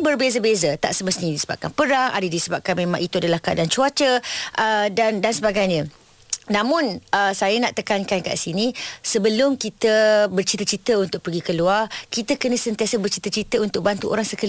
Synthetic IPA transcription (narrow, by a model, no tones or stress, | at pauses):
bərbezəbezət̪a̰ʔsəməst̪iɲdisəba̰p̚kanpəɾaŋʔa̰dədisəbap̚kanmemã̰ŋʔit̪uadalahkaa̰dant͡ʃuat͡ʃəʔədandansəbaɡajɲə̃ | nãmʊnəsajanaʔt̪əkankanka̰ʔsinisəbəlʊmkit̪əbərt͡ʃit̪ət͡ʃit̪əunt̪ʊk̚pərɡikəluarkit̪əkənə̃sənt̪iasəbərt͡ʃit̪ət͡ʃit̪əunt̪ʊk̚bant̪uʔo̰ɾaŋsəkali